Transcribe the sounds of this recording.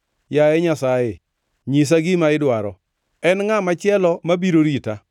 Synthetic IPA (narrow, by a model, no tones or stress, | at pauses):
jajɛɲasaje | ɲis̬aɡimaɪdwaɾɔ | ɛnŋamat͡ʃɪɛlɔmabiɾoɾita